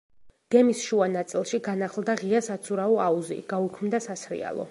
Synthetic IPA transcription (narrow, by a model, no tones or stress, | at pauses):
ɡ̥ɛmisʃuanat̪sʼilˠʃiɡanaχlˠd̪aʁiasat̪sʰuɾaɔauzḭɡ̥aukʰmd̪asasɾḭa̰lˠɔ̰